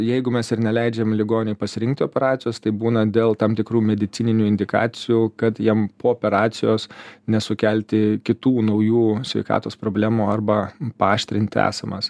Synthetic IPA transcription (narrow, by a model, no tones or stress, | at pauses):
jɛɪɡʊmʲɛsɪɾnʲɛlʲɛɪd͡ʒʲeːmlʲɪɡoːnʲnʲɛpɐsʲɪɾʲɪŋkt̪ʲɪoːpʲɛɾɑːt̪sʲɪjoːst̪ɐɪbuːnɐd̪ʲeːlˠt̪ɑːmt̪ʲɪkɾuːmʲɛd̪ʲɪt̪ʲɪnʲɪnʲuːɪnʲd̪ʲɪkɑ̰ːt̪sʲɪjuːkɐt̪jiɛmpoːoːpʲɛɾɑːt̪sʲɪjoːsnʲɛsʊkʲælʲt̪ʲɪkʲɪt̪uːnɐʊjuːsʲʋʲɛ̰ɪkɑ̰ːt̪oːspɾoːbʲlʲæːmuːɐrbɐpɑːʃʲt̪ʲɾʲɪnʲt̪ʲɪæ̰ːsɐmɐs